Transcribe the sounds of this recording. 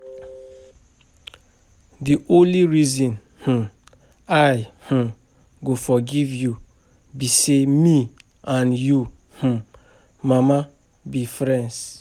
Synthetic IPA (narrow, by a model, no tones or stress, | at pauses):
diʔõnliɾizɔ̃n | h̩ | ajh̩ | ɡofɔɡivju | bisemi | ʔãnju | h̩ | mama | bifɾɛ̃ns